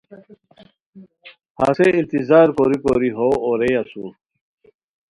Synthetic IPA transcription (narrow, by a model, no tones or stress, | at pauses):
haːseint̪izaːɾkoɾikoɾiɦoːoɾejasu